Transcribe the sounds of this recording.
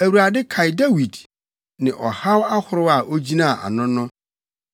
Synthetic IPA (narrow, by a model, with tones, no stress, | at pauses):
æ˨wu˨ɾa˨dɪ˦kʰa˨jda˦wi˨d | nɪ̃˨ʔɔ˨ha˦wa˦hʊ˨ɾʊ˦a˦˨ʔo˦d͡ʑi˦nãː˦˨ʔa̰˨nʊ̃˦nʊ̃˦